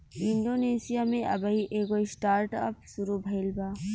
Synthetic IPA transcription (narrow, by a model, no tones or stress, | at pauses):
ɪ̃ɳɖoːneːsijamẽʔɐ̰baiʔeːɡoɪsʈaːɾʈɔpsʊɾubʱɐɪlbaː